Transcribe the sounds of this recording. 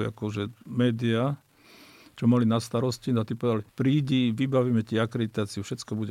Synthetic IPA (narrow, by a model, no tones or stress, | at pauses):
a̰kɔʒɛmɛːd̪ia | t͡ʃɔmalinast̪aɾɔscinat̪ipɔʋɛd̪alpɾiːɟiʋibaʋiːmɛt̪iakɾɛd̪it̪aːt͡siufʃɛt͡skɔbuɟɛ